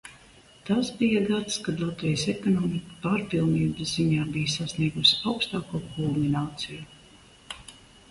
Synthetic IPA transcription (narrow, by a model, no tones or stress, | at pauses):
t̪asbijaɡat̪skad̪lˠat̪vijsɛkɔnɔːmikə̥paɾpilˠniːbzziɲaːbijsasniɛɡusi̥awkst̪aːkuːkʰulˠminaːt̪siju